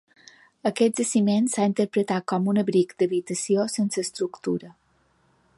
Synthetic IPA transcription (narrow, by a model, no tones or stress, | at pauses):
əkɛt̪d͡ʒəsimensaint̪əɾpɾət̪at̪̚kɔmunəβɾikd̪əβit̪əsiosensəːst̪ɾukt̪uɾə